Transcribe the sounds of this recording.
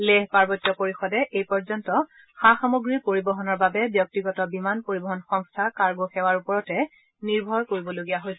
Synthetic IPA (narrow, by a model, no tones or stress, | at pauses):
leɦpaɹbɔtːjɔpoɹixɔdɛʔejpɔɹzɔntɔ | xaxamoɡɹipoɹibɔɦɔnɔɹbabɛbjɔk̚tiɡɔtɔbimanpoɹibɔɦɔnxɔŋstʰakaɹɡɔxɛwaɹupɔɹɔtɛ | niɹbʱɔɹkoɹibɔloɡijaɦojs